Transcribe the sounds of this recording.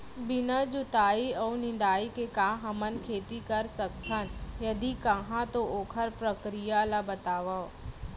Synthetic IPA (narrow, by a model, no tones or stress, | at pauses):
bɪnad͡ʒʊt̪aːiɔːnɪ̃n̆d̪aːikekãːɦɐmənkʰeːt̪ikɐɾsɐk̚t̪ʰənjɐd̪ikɐɦãt̪ooːkʰəɾpɾəkɾijalabɐt̪aːʋa